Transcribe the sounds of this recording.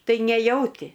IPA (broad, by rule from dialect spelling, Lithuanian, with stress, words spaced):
ˈtɐɪ nʲɛˈjɛʊtʲɪ